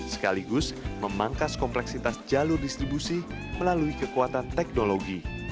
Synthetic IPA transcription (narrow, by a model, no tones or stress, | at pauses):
sə̥kaliɡʊsməmaŋkaskɔmplɛksit̪asd͡ʒalʊrdist̪ɾibusi | məlaluikəkuat̪ant̪ɛk̚noloɡi